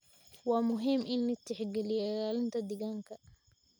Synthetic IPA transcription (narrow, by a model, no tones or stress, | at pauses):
wɑːmʊɦɪmʔɪnːɪt̪ʰːɪħɡɛlɪjɛlaːlɪnt̪ʰɐd̪ɪɣaːŋkʰɐ